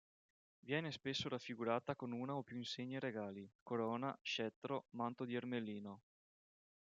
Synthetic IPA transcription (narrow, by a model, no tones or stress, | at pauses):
vjɛːnespesːoɾafːiɡuɾaːt̪akonuːnaopjuinseɲːeɾeɡaːlikoɾɔːnaʃɛt̪ːɾomant̪od̪iermelːiːno